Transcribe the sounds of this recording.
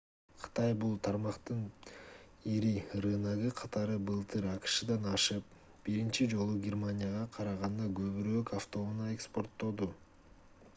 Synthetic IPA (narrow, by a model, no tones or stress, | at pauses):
qʰɯ̥t̪ɑjbulˠt̪ʰɑɾmɑqt̪ɯn | iɾiɾɯnɑʁɯqʰɑt̪ɑɾɯbɯlˠt̪ʰɯɾɑqɯ̥ʃɯd̪ɑnɑʃɯp̚ | b̥iɾint͡ʃid͡ʒo̞lˠuɡʲermanʲɪjaʁɑqʰɑɾɑʁɑnd̪ɑɡɵ̞βyɾøːkaft̪o̞munɑe̞kspo̞rt̪ːo̞d̪u